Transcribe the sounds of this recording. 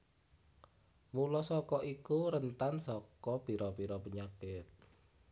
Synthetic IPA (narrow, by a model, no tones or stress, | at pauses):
mulɔsɔkɔʔikuɾənt̪ansɔkɔpiɾɔpiɾɔpəɲakɪt̪̚